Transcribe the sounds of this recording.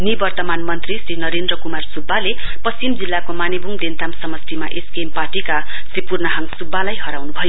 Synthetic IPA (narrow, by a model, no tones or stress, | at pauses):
nibʌrt̪ʌmanmʌnt̪risrinʌɾend̪rʌkumarsubːale | pʌsimd͡zilːakomanebʱuŋd̪ent̪amsʌmʌst̪ʰimaʔeskempaʈika | sripurnʌɦaŋsubːalajɦʌɾawnubʱʌjo